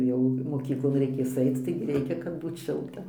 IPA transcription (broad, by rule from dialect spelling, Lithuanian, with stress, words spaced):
ˈjɛʊ moːˈkʲiːklˠoːn rʲɛɪˈkʲeːs ˈɐɪt͡s ˈtɐɪɡʲɪ ˈrʲɛɪkʲɛ kɐt ˈbuːt ˈʃʲɪlˠtɐ